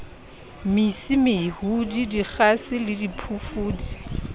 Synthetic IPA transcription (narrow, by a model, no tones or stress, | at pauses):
misɪmɪhudidik͡xasɪlɪdipʰufuːdi̥